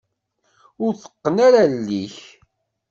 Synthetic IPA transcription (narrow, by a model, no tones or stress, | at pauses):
ʊɾθə̥qːənaɾalːiç